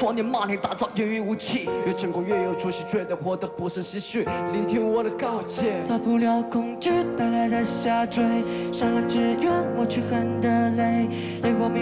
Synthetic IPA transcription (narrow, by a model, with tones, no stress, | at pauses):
wɔ˥ni˨˩ma˥˨li˧˥ŋt̪a˨˩t͡sɑ˥˩ʊjɛ˥ny˥˧u˧˥t͡ɕʰi˥˩ko˧˥˩ʈ͡ʂə˨˩ŋkʊ˥˩ɥɛ˥˩jo˨˩ʊʈ͡ʂʰu˥ʂɻ̩˧ʈ͡ʂwe˥˩ɪd̪ə˧˩xwɔ˨˥˩d̪ə˧pu˧˥ʂ̩˥˩ɕi˧˥ɕy˥˩li˧˥ŋt̪ʰi˥ŋwɔ˨˩d̪ə˧kɑ˥˧˩ʊt͡ɕʰɛ˥˩t̪ʰa˧˩pu˧˩ljɑ˧˥ʊkʰʊ˧˥ŋt͡ɕy˥t̪a˧˥la˧˥ɪd̪ə˧ɕja˥ʈ͡ʂwe˥ɪʂɑ˥˧˩ŋ˧˩ʈ͡ʂɻ̩˥jɛ˥˧nwɔ˨˩t͡ɕʰy˥˩xə˧˥nd̪ə˧le˥˧˩ɪ | ɛ˧˥˩wɔ˨˩m˧